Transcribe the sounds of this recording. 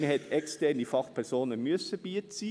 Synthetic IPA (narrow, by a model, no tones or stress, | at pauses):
əhɛtʰɛkstɛʁnifɑχpʰɛʁsoːnəmyəsəb̥iːət͡siː